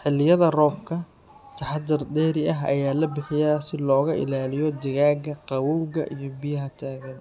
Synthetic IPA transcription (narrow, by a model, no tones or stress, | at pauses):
ħɪlːɪjɐðɐrɔːbkʰɐ | t̪ʰɐħɑd̪ɪrɖɛːɾɪʔɐɦɐ̰jaːlɐbɪħɪjaːsɪlɔːɣɐʔɪ̰laːlɪjɔd̪ɐɣaːɡɐqɑwuɣɐ̰ʔijɞbɪjɐɦɐt̪ʰaːɣɐn